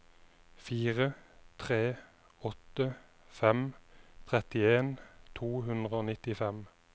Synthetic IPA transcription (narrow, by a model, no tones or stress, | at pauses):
fiːʁət̪ʰʁeː | ɔt̪ə | fɛmt̪ʰʁɛt̪ɪeːnt̪ʰuːɦʉnd̪ʁəoːnɪt̪ɪfɛm